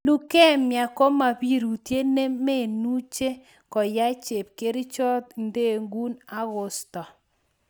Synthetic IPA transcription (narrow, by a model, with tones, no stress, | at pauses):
lu˦kɛ˦˨mja˨kɔ˦ma˨bi˦ɾu˨tje˦ne˦me˦˨nu˦t͡ʃe˦ | kɔ˨ja˦t͡ʃe˨p̚ke˦ɾi˦t͡ʃɔ˦t̪nde˦˨ŋɡu˦na˦ɣɔ˨stɔ˨